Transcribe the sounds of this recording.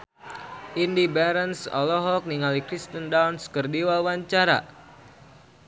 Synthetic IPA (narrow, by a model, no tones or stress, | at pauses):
ʔindibɛɾənsɔ̰lɔɦɔk̚niŋalikɾist̪əndawnskərdiwawaɲt͡ʃaɾa̰